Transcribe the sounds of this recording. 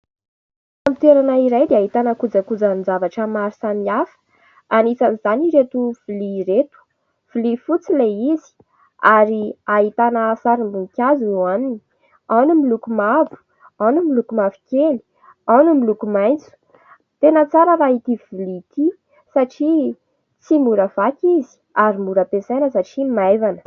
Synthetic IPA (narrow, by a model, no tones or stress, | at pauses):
amit̪eɾanaiɾajd̪eaɦit̪anəkud͡zakud͡zannd͡zavaʈ͡ʂəmaɾisamiafə̥ | anit͡sanizaniɾet̪uv̥uliɾet̪u̥ | v̥ilifut͡sileizi̥ | aɾiaɦit̪anəsaɾimbuŋkʲazeanini̥ | anumilukumavu̥ | anumilukumavi̥kʲeli̥ | anumilukumajnt͡su̥ | t̪enət͡saɾəɾait̪ivilit̪i | saʈ͡ʂi | t͡simuɾəv̥akʲizi̥ | aɾimuɾəpesajnəsaʈ͡ʂimajvanə̥